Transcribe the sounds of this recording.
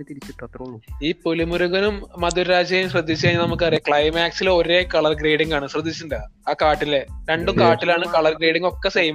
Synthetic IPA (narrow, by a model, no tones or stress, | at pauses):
t̪it͡ɕːiʈ̪ːiːpolimuɾuɣɐnummɐd̪uɾɾaːd͡ʑɐjumɕrɨd̪ːit͡ɕːɐɐɲːlnɐmuk̬ːɨɐrijɐkɭɐjmaːksilo̞ɾekɐɭɐrɡreːɽiŋɡaːɳɨɕrɨd̪ʱːit͡ɕːunɖɐaːkaːʈːileɾe̞ɳɖukaːʈːilaːɳɨkɐɭɐrɡɾeːɽiŋɡo̞kːesejɐm